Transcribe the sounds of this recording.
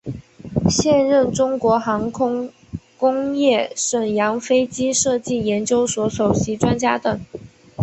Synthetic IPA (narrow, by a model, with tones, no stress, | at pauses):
ɕjɛ˥˧nɻə˥˩nʈ͡ʂʊ˥ŋkwɔ˧˥xɑ˧˥ŋkʰʊ˥ŋ | kʊ˥ŋjɛ˥˩ʂə˨˩ŋjɑ˧˥ŋfe˥ɪt͡ɕi˥ʂɤ˥˧t͡ɕi˥˩jɛ˧˥nt͡ɕjo˥ʊswɔ˧˥so˨˩ʊɕi˧˥ʈ͡ʂwa˥nt͡ɕja˥t̪ə˨˩ŋ